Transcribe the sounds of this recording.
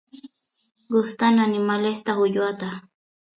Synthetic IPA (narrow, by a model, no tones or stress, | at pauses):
ɢʊst̪ananɪmalest̪axʊʎwat̪a